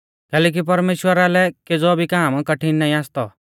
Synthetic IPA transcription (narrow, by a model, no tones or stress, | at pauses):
kɛːlɛːk̬ip̬ɐɾmeːʃwəɾalɛked͡zɔbʱikaːmkɐʈʰinnaːĩaːst̪ɔ